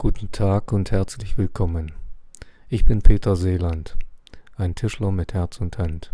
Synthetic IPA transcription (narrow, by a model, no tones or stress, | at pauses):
ɡ̥uːtn̩tʰaːkʊnthɛɐt͡slɪçv̥ɪlkʰɔmən | ʔɪçb̥ɪnpʰeːtʰɐzeːlantʔaɪntʰɪʃlɐmɪthɛɐt͡sʊnthant